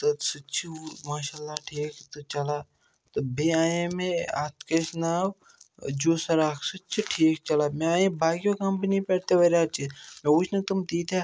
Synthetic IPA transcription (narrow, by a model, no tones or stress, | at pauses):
t̪osut͡ʃʰimaːʃaːlːaʈʰiːkt̪ot͡ʃɐla | t̪obeːaːjẽmẽa̰ːt̪kesnaːw | d͡ʒuːsɐɾaːksut͡ʃʰiʈʰiːk̚t͡ʃɐlaːmẽaːjẽbaːkjokambinĩpɐɽt̪eʋɐɾat͡ʃʰimẽut͡ʃʰnɐt̪umd̪iːt̪a